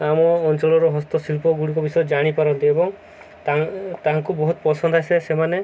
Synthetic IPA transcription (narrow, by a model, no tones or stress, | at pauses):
amɔːnt͡ʃɔlɔɾɔɦɔst̪ɔsilpɔɡuɽikɔbisɔjɔd͡ʒaɽ̃ipaɾɔnt̪iebɔŋ | t̪at̪aɦaŋkubɔɦut̪ɔpɔsɔnd̪ʱɦasesemane